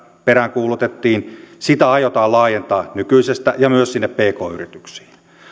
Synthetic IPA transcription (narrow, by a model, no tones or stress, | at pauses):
peɾæŋkuːlut̪et̪ːiːnsit̪æɑjot̪ɑːlɑːjent̪ɑːnykyisest̪æjɑmyøssinːeppeːkoːyrit̪y̥ksi̥ː